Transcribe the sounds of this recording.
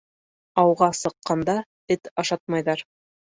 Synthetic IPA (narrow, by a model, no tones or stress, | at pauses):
ɑwʁɑsɤ̆qːɑnd̪ɑ | ɘt̪ɑʃɑt̪̚mɑjðɑɾ